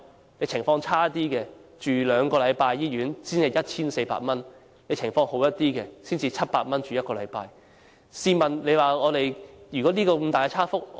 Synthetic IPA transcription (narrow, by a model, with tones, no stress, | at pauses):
ne˨˧jt͡sʰɪ˨˩ŋfɔː˧ŋt͡sʰaː˥t̪iː˥kɛː˧t͡ʃyː˨˩lœː˨˧ŋkɔː˧lɐ˨˧jpaː˧jːiː˥ɥyː˨˥nsiː˥nhɐ˨˩jɐ˥t̚t͡sʰiː˥nse˧pa̰ː˧t̚mɐ˥n | le˨˧jt͡ʃʰɪ˨˩ŋfɔː˧ŋho˨˥wjɐ˥t̚t̪iː˥kɛː˧siː˥nt͡siː˧t͡sʰɐ˥t̚paː˧t̚mɐ˥nt͡ʃyː˨jɐ˥t̚kɔː˧lɐ̰˨˧jpa̰ː˧j | siː˧mɐ˨nle˨˧jwaː˨˩ŋɔː˨˧t̪e˨jjyː˨kɔ˨˥niː˥kɔː˧kmt̪aː˨kɛ˧t͡sʰaː˥fʊ˥k̚